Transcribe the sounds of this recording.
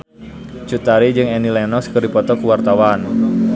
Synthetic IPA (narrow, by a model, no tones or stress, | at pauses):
t͡ʃut̪aɾid͡ʒɨŋɛnilɛnɔskərdipɔt̪ɔkuwart̪awan